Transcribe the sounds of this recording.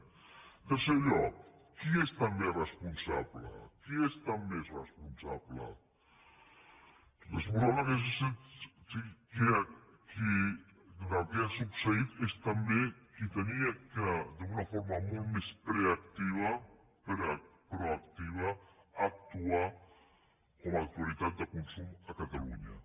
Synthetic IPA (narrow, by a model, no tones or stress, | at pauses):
d̪əseʎɔk̚ː | iest̪ɐmberəspunsa̰βlə̰kiest̪ammesrəspunsa̰βlə̰ | rəspunsaβləkes̬sesikea | ki | kakeasuksəit̪est̪ambekit̪əniakad̪əunafoɾmamolˠt̪mespɾeakt̪iβ̞a | pɾpɾoakt̪iβ̞aːk̚t̪ua | komak̚t̪ualit̪at̪̚d̪əkunsumakat̪alṵɲa̰